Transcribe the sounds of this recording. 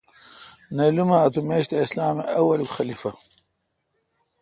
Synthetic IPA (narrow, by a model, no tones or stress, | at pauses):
nelumɐːt̪umeːɕt̪eislaːmeʔɐwɐlukxɐlifɐ